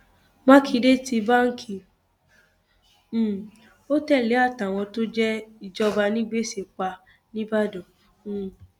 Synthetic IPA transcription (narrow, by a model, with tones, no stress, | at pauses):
mã˦ki˧de˦ti˧ba˦ŋ̩˦kʰi˨˦˨ | o˦tɛ˦˨le˨˦a˦˨ta˨w̃ɔ̃˧to˦d͡ʒɛ˦i˦˨d͡ʒɔ˦ba˧nĩ˦ɡ͡be˦˨se˨k͡pa˧ | nĩ˦ba˦dɔ̃˨˦˨